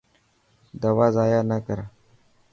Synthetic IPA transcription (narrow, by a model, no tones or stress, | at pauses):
d̪ɐʋazaːjanakəɾa